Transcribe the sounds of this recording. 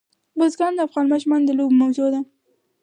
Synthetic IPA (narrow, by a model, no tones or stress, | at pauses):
bəzɡɑnd̪əafɣɑnmɑʃmɑnd̪əlobmawzod̪a